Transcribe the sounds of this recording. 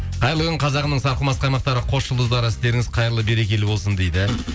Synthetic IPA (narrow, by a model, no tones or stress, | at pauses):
qʰɑjɾlˠəʁəɴqʰɑzɑʁənəɴsɑɾqəlˠmɑsqɑjmɑqt̪ɑɾəqʰo̞sʒəlˠd̪əzd̪ɑɾəɪst̪e̞ɾɪŋɪzqʰɑjəɾlˠəbe̞ɾe̞kʲe̞lɪbo̞lˠsənd̪ejd̪ɪ